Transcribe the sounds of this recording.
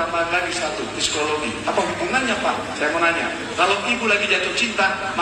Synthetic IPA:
amanlaɡisat̪ufisi̥kolɔɡi | apaɦub̪uŋanɲapaʔ | sajamanaɲa̰ | kaloʔibulaɡid͡ʒat̪ʊk̚t͡ʃint̪a | ma

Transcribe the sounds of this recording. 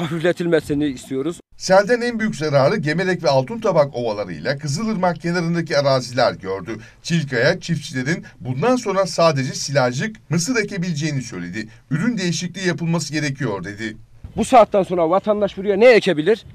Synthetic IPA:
hafiflʲet̪ʰilʲmesiniːst̪ʰijo̞ɾuz̥ | sælʲd̪ænænbyjycʲzaɾaːɾɯɟe̞me̞lʲɛcvɛalˠt̪ʰunt̪ʰabako̞valˠaɾɯ̰jlʲˠakʰɯzɯlˠɯɾmak̚ɟenaɾɯnd̪acʰiaɾaːzilʲæɾɟøɾd̪y | t͡ʃʰilʲkʰajat͡ʃʰift͡ʃʰilʲe̞ɾinbund̪anso̞nɾasaːd̪e̞d͡ʒɛsilʲaʒɯkmɯsɯɾecʰe̞bilʲed͡ʒe̞jinisø̞jlʲe̞d̪i | yɾynd̪e̞jiʃiclʲijapɯlˠmasɯɟe̞ɾe̞cʰijo̞ɾd̪e̞d̪ɪ | busaːt̪ːanso̞nɾavat̪ʰand̪aʃbuɾujanɛecʰebilʲiɾ

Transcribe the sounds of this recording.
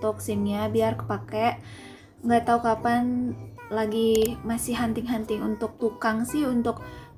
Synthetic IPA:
t̪ʊk̚siŋɲabiarkə̥pakɛʔ | ŋɡaʔt̪aukapan | laɡimasɪhɦant̪ɪŋɦant̪ɪŋunt̪ʊk̚t̪ukaŋsɪhunt̪ʊk̚

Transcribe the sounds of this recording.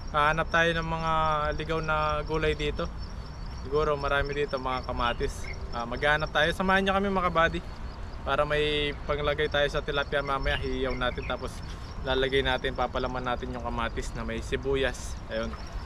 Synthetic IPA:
aːhɐnɐp̚t̪aːjo̞nɐŋmɐŋalɪɡawnɐɡuːlɐjd̪iːt̪o̞ | sɪɡuːɾo̞mɐɾaːmɪd̪iːt̪o̞mɐŋakɐmaːt̪ɪsʔaːmɐɡaːnɐp̚t̪aːjo̞sɐmaːhɐnɲakɐmɛmɐkɐbaːd̪ɪ | paːɾɐmɐjpɐŋlɐɡajt̪aːjo̞sɐt̪ɪlapjɐmaːmɐjaɦijɐwnaːt̪ɪnt̪aːpo̞s | laːlɐɡajnaːt̪ɪnpaːpɐlɐmanːaːt̪ɪnjʊŋkɐmaːt̪ɪsnɐmɐjsɪbuːjɐsʔɐjo̞n

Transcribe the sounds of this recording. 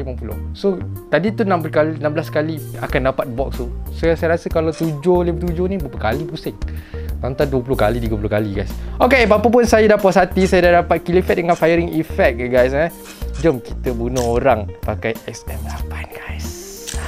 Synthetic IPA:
limampulʊ̰hsot̪adit̪unãmpulkalinãmblaskaliakandapat̪̚bɔk̚st̪usosajaɾasəkalat̪ud͡ʒolipət̪ud͡ʒonibapəkalibusɪk̚lant̪anduəpulʊhkalit̪iɡəpulʊkaliɡajsokepapəp̬ʊnsajadapasat̪isajadahdapat̪̚kilifɛt̪̚dəŋãnfajəɾɪŋifɛk̚ɡajs̬a | d͡ʒɔmkit̪əbunəoɾaŋpakajɛksɛmapanɡajs

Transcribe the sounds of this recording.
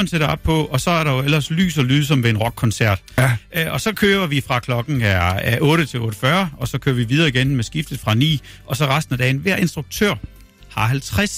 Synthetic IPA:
nseɾɐɒ̽b̥̚pʰɒ̽ɒ̽sɒ̽æɐɾɑjo̝elɐsly̰ːs̬ɒlyːð̩ˠs̬ɒ̽mʋe̝enʁɒ̽ɡ̥ʰɒ̽nsæɐ̰d̥ʔɒ̽sɒ̽kʰøːbɐʋifʁɑ̈kʰlɒ̽ɡ̥ŋ̩ææʔɔ̽ːɾət͡sʰe̝lɔ̽ːɾəfɶɐɒ̽sɒ̽kʰø̰ːɐʋiʋið̞ˠɐːiɡ̥enmesɡ̥ifd̥ð̩ˠfʁɑ̈nḭː | ɒ̽sɒ̽ʁɑ̈sd̥n̩æd̥ɛ̰ːɪn̩ʋæɐ̰ʔe̝nsd̥ʁuɡ̥̚t͡sʰø̰ɐ̰ | hɑ̈hælt͡sʰʁas

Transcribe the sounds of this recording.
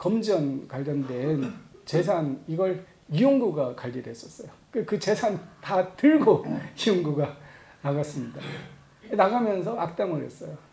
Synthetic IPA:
kʌmd͡ʑʌnkwaʎːʌndwent͡ɕe̞s̬ʰaniɡʌɭ | ijoŋɡuɡakaʎːide̞s͈ʌs͈ʌjokekɯt͡ɕe̞sʰantatɯɭɡoijoŋɡuɡa | naɡas͈ɯmɲida | enaɡamjʌnsʰʌʔak̚t͈aŋɯɭhe̞̰s͈ʌjo

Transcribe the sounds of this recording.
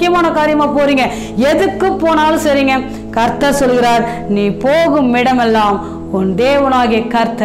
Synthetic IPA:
ɪjɐmaːnɐkaːɾɪjɐmaːpoːɾiːŋɡɐ | ɛðɯkːɯpːoːnaːlɯsɐɾiːŋɡɐ | kɐɾt̪ːɐɾsɔlːɯɣɪɾaːɾ | niːpoːɣɯmːɪɽɐmɛlːaːm | ɔnd̪eːʋɐnaːɣɪjɐkːɐɾt̪ːɐɾ

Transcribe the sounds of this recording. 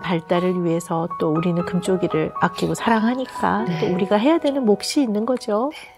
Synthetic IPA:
paɭt͈aɾɯɾɥiɦe̞sʰʌt͈ouɾinɯnkɯmt͡ɕ͈oɡiɾɯɭak͈iɡosʰaɾaŋɦaɲik͈a̰t͈ouɾiɡaɦe̞jadwenɯnmok̚ɕ͈iːnːɯnɡʌd͡ʑo

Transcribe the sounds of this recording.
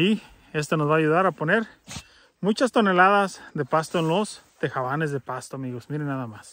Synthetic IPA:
i | e̞st̪onozβaːʝuðaɾapo̞ne̞ɾ | mut͡ʃast̪o̞ne̞laðazðe̞past̪oenlost̪e̞xaβanezðepast̪oamiɣosmiɾenːaðamas

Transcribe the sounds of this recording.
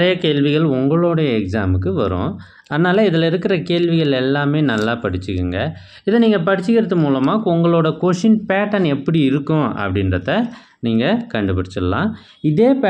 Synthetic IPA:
nɾɐjɐkeːɭʋɪɣɐɭʊŋɡɐɭoːɽɐjɐɛksaːmɯkːɯʋɐɾʊ̰̃ː | ɐðɯnaːlɐɪðɪlɪɾɯkːɪɾɐkeːɭʋɪɣɐɭɛlːaːmeːnɐlːaːpɐɽɪt͡ʃːɯkːɯŋɡɐ | ɪðɐniːŋɡɐp̬ɐɽɪt͡ʃːɯkɪɾɐðɯmuːlɐmaːʊŋɡɐɭoːɽɐkoːʂɪnpaːʈɐnɛpːɐɽiɪɾɯkːʊ̃ɐ̰pːɐɽɪnɾɐðɐ | niːŋɡɐkɐɳɖɯpɐɽɪt͡ʃːɐlã̰ː | ɪðeːpː

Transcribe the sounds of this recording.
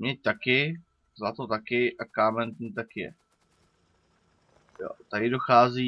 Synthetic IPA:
mɲɛc̚t̪akɪ | zlat̪ot̪akɪʔakaːmɛnt̪ɛnt̪akɪjɛ̰ | jo̰t̪aɾɪdoxaːziː

